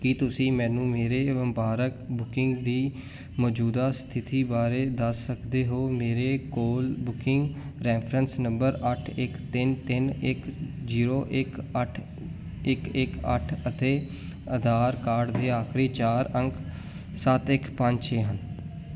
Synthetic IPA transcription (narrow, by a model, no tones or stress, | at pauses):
kit̪ʊsĩːmɛ̃ːnũːmeːɾeːʋəmbaːɾəkbʊkɪ̃ŋɡd̪iː | mɔːd͡ʒuːd̪aːst̪ʰɪt̪iːbaːɾeːd̪əsːəkd̪eːɦoːmeːɾeːkoːlbʊkɪŋɡɾɛːpʰɾənsnəmbəɾəʈʰɪkt̪ɪnt̪ɪnɪkziːɾoːʔɪkəʈʰ | ɪkɪkəʈʰət̪eː | əd̪ʱaːɾkaːɾɖd̪eːaːkʰɾeːt͡ʃaːɾəŋkʰ | sət̪ɪkpəɲt͡ʃt͡ʃʰeːɦən